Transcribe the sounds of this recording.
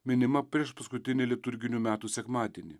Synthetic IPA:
mʲɪnʲɪmɐpʲɾʲiɛʃpɐskʊt̪ʲɪnʲɪlʲiɛt̪ʊɾʲɡʲɪnʲuːmʲæːt̪uːsʲɛkmɑːd̪ʲiɛnʲɪ

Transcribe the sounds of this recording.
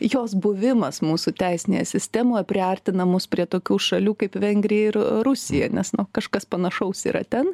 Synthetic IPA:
joːsbʊʋʲɪmɐsmuːsʊt̪ʲɛɪsʲɪnʲḛjɛsʲɪsʲt̪ʲæːmoːjɛpʲɾʲɪɐrʲt̪ʲɪnɐmʊspʲɾʲiɛt̪oːkʲuːʃɐlʲuːkɐɪpʋʲɛŋʲɡɾʲɪjɛɪɾɾʊsʲɪjɛ̰nʲɛsnʊkɐʃkɐspɐnɐʃɐʊsḭːɾɐ̰t̪ʲɛn

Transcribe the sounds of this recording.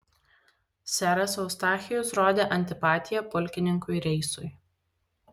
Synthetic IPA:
sʲæɾɐsɒʊst̪ɑːxʲɪjʊsɾoːd̪ʲeːʔɐnʲt̪ʲɪpɑːt̪ʲɪjɛpʊlʲˑkʲɪnʲɪŋkʊɪɾʲɛɪsʊɪ

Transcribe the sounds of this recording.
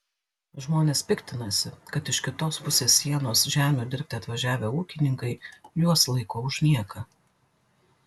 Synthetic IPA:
ʒmoːnʲeːspʲɪkʲt̪ʲɪnɐsʲɪkɐt̪ɪʃkʲɪt̪oːspʊsʲeːsːʲiɛnoːsʒʲæːmʲuːd̪ʲɪɾʲp̚ʲt̪ʲeɐt̪ʋɐʒʲæːʋʲeːuːkʲɪnʲɪŋkɐɪjuɔslˠɐɪkoːʊʒʲnʲiɛkɐ

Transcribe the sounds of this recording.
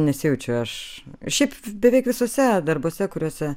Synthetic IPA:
nʲɛsʲɪjʊt͡ʃʲɛʊɐʃʃʲɛɪpbʲɛʋʲɛɪkʋʲɪsoːsʲɛd̪ɐrboːsʲɛkʊɾʲoːsʲɛ

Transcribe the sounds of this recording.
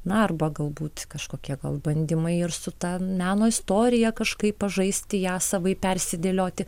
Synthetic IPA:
nʊɐrbɐɡɐlˠbuːt̪kɐʃkoːkʲiɛɡɐ̰lˠbɐnʲd̪ʲɪmɐɪɪrsʊt̪ɑmʲæːnoːɪst̪oːɾʲɪjɛkɐʃkɐɪpːɐʒɐɪsʲt̪ʲɪjæːsɐʋɐɪpʲɛrʲsʲɪd̪ʲeːlʲoːt̪ʲɪ

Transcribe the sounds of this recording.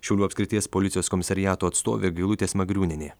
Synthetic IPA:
ʃʲɛʊlʲuːɐpskɾʲɪt̪ʲiɛspɔlʲɪt̪ʲɪjoːskɔmʲɪsɐɾʲɪjæːt̪oːɐt̪st̪o̰ːʋʲeːɡɐɪlˠʊt̪ʲeːsmɐɡɾʲuːnʲɪnʲeː

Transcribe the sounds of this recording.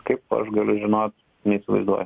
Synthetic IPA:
kɐɪpɐ̰ʃɡɐlʲʊʒʲɪnoːt̪ | nʲɛisʲɪʋɐ̰ɪzd̪uɔjɛ

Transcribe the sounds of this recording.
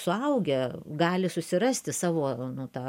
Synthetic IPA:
sʊɐʊɡʲɛɡɑːlʲɪsʊsʲɪɾɑsʲt̪ʲɪsɑːʋoːnʊt̪ɑː

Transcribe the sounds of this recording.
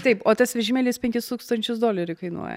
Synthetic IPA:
t̪ɐɪpoːt̪ɐsʋʲɛʒʲɪmʲɛlʲɪspʲɛŋʲkʲɪst̪uːkst̪ɐnʲt͡ʃʲʊsd̪oːlʲɛɾʲʊkɐɪnṵɔjɛ̰

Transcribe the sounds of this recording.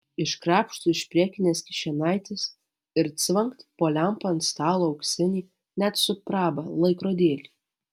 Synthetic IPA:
ɪʃkɾɑːpʃt̪uːɪʃʲpʲɾʲiɛkʲɪnʲeːskʲɪ̥ʃʲɛnɑˑɪt̪ʲɪs | ɪɾt̪sʲʋʲɐŋkt̪poːlʲɛmpɐɐnt̪st̪ɑːlˠoːɒʊksʲɪnʲiː | nʲæt̪sʊpɾɑːbɐlˠɐɪkɾoːd̪ʲeːlʲiː

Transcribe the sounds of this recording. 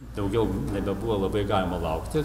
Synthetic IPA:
d̪ɐʊɡʲɛʊnʲɛbʲɛbuʋɐlˠɐbɐɪɡɑːlʲɪmɐlˠɐʊkt̪ʲɪ

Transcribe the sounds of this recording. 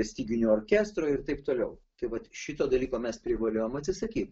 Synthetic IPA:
ɛsʲt̪ʲiːɡʲɪnʲuoːrʲkʲæːst̪ɾoːɪrt̪ɐɪpt̪oːlʲɛʊt̪ɐɪʋɐt̪ʃʲɪt̪oːd̪ɐlʲiːkoːmʲɛspʲɾʲɪʋɐlʲoːjomɐtʲsʲɪsɐkʲiːt̪

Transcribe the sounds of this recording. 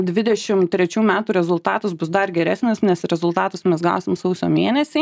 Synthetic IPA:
d̪ʲʋʲɪd̪ʲɛʃʲɪmt̪ʲɾʲɛt͡ʃʲuːmʲæːt̪uːɾʲɛzʊlˠt̪ɑːt̪ɐsbʊsd̪ɐrɡʲɛɾʲæːsʲnʲɪsnʲɛsɾʲɛzʊlˠt̪ɑːt̪ɐsmʲɛsɡɑʊsʲɪmsɐʊsʲo̰ːmʲiːnʲɛsʲiː

